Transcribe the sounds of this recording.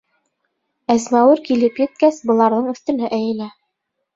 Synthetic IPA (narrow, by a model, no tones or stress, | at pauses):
æzmæwɘɾkilɘpjɘ̆t̪̚kæsbɤ̆lˠɑɾðɤɴɵ̆θt̪ɵ̆næʔæjɘ̆læ